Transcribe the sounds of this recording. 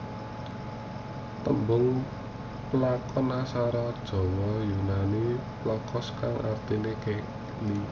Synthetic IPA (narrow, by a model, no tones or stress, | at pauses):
t̪əmbʊŋ | pəlakɔnasaɾɔd̥ʒ̥ɔ̤wɔjunaniplɔkɔskaŋʔa̰rt̪inekeʔ | li